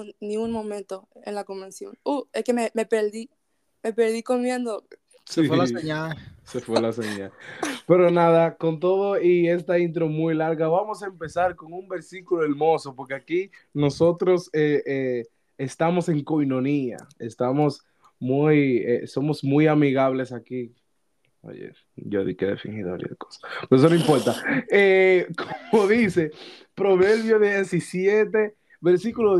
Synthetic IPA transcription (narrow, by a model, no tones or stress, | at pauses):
nĩuŋmõmẽnt̪oḛnlakombẽnsjo̰nueskememe̞peɾði | mepeɾðiko̞mjend̪o | slaeɲalsefwelaseɲalpe̞ɾo̞naðako̞nt̪̬o̞ðo̞ie̞st̪aint̪̬ɾo̞mujlaɾɣaβamo̞saempe̞saɾko̞ŋumbe̞ɾsikuloeɾmo̞so̞po̞ɾke̞akino̞so̞t̪ɾo̞seʔeː | st̪amo̞se̞ŋko̞jno̞nia̰est̪amo̞s | mujḛso̞mo̞smujamiɣaβle̞saki | o̰jḛ | ɟ͡ʝoðḭkeðefiŋhiðoβa̰ljḛðḛko̥sḁpeoesonoimpo̞ɾt̪aekʰomoðise̞pɾo̞βe̞ɾβjo̞ðeesisje̞t̪̬e̞ | βe̞ɾsikulo